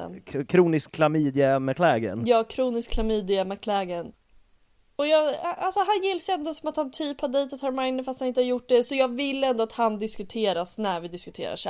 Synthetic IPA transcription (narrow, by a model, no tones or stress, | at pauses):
ɛ̰nkʰɾuːnɪskʰːlamiːd̪ɪɛmakʰlɛːɡə̰njɑːkʰɾuːnɪskʰːlamiːd̪ɪɛmakʰlɛːɡən | ɔjɑːɡalsɔɦanjɪlːasɛnd̪osɔmat̪hant̪ʰyːphaɖejt̪at̪hɑɾmajnəfast̪hanɪnt̪əhaɾjʊʈ̚ːɖɛsɔjɑːɡvɪlːɛnd̪ɔat̪hand̪ɪskɵt̪ʰeːɾasnæɾvɪd̪ɪskɵt̪ʰḛːɾa̰ʂæ̰